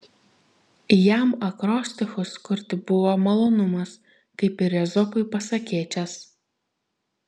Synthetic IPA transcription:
jæmɐkɾoːsʲt̪ʲɪxʊskʊɾʲt̪ʲɪbʊʋoːmɐlˠoːnʊmɐs | kɐɪpɪɾɛzɔpʊɪpɐsɐkʲeːt͡ʃʲɛs

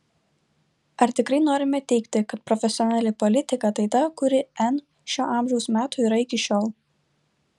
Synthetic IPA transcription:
ɐɾt̪ʲɪkɾɐɪnoːɾʲɪmʲɛt̪ʲɛɪkt̪ʲɪkɐt̪̚pɾɔfʲɛsʲɪɔnʲælʲɪpɔlʲɪt̪ʲɪkɐt̪ɐɪt̪ɐkʊɾʲɪɛn | ʃʲoːʔɐˑmʲʒʲɛʊsmʲæːt̪uːiːɾɐɪkʲɪʃʲoːlˠ

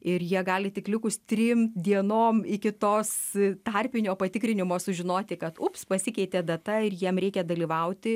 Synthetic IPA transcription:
ɪɾjiɛɡɑːlʲɪt̪ʲɪklʲɪkʊst̪ʲɾʲɪmd̪ʲiɛnoːmɪkʲɪt̪oːst̪ɑrʲpʲɪnʲoːpɐt̪ʲɪkɾʲɪnʲɪmoːsʊʒʲɪnoːt̪ʲɪkɐt̪ʊpspɐsʲɪkʲɛɪt̪ʲeːd̪ɐt̪ɐɪɾjiɛmɾʲɛɪkʲɛd̪ɐlʲiːʋɐʊt̪ʲɪ

